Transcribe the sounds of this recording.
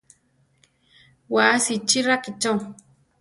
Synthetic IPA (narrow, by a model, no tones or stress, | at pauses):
wasit͡ʃiɾakit͡ʃo